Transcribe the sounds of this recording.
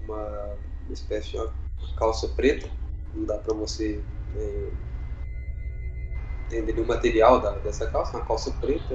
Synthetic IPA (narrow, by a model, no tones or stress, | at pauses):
ũmɐ̃ | mispɛsɪɐ̃kawsɐpɾet̪ɐñd̪apɾɐvoseɛ̃ | t̪ẽd̪eɾũmat̪eɾiawd̪ɐd̪ɛsɐkawsɐmɐkawsɐpɾet̪ɐ